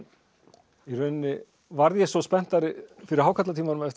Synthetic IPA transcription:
irœɥnnːɪ | vaɾðjɛsɔspɛn̥t̪aɾɪfɪɾɪɾ̥haːwkʰat̪lat̪ʰiːmaɾʏmɛðɛht̪

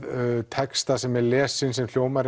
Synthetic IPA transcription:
t̪ʰɛkst̪asɛmɛɾlɛːsɪnsɛmljoːwmaɾ

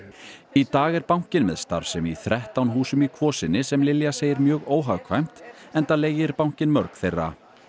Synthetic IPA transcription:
it̪aːɣɛɾpawŋ̥ɲ̥cɪnmɛðst̪a̰ɾ̥sɛmiθɾɛht̪awnɦuːsʏmikʰvɔːsɪnːɪsɛmlɪljaseːjɪɾmjœːɣoːwɦaɣkʰvajm̥t̪ɛnt̪aleːjɪɾpawɲ̥cɪnmœɾkθejrːa̰

